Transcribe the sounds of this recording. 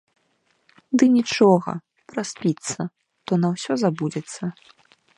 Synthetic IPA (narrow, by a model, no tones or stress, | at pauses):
d̪ɨnʲit͡ʂɔɣɐ̰ | pɾasʲpʲit̪sːɐ | ʂt̪ɔnɐwsʲɔzabud͡zʲɛt̪sːɐ